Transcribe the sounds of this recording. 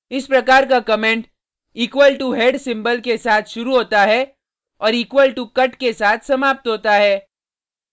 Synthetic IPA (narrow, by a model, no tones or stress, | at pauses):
ɪspɾɐkaːɾkakɐmẽːɳʈ | iːkwəlʈuɦeːɖsɪ̃mbəlkesaːt̪ʰʃʊɾuɦoːt̪aɦɛ | ɔːɾiːkwəlʈukɐʈkesaːt̪ʰsɐmaːp̚t̪ɦoːt̪aɦɛː